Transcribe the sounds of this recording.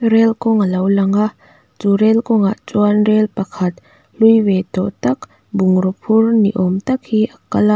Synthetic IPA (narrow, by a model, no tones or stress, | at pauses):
ɾɛlkɔŋalɐwlɐŋa | t͡suɾɛlkɔŋaʔt͡swanrɛlpɐkʰɐt̪̚ | lujwet̪ɔʔt̪ɐk | buŋɾɔpʰurnḭʔɔmt̪ɐk̚hiʔɐkɐla